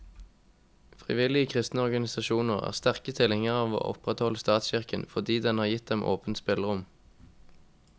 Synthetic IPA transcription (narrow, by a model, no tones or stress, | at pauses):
fʁɪ̰ʋɪlɪəkʰʁɪst̪nəɔʁɡɑnɪsɑʃuːnəʁæ̰ːʁst̪æʁkət̪ʰɪlhɪŋəʁɑːʋo̰ːʔɔ̰pʁɛt̪hɔləst̪ɑːt̪sçɪʁkənfɔd̪iːd̪ɛnhɑːʁjɪt̪̚d̪ɛmʔo̰ːpənt̪spɪləʁʊm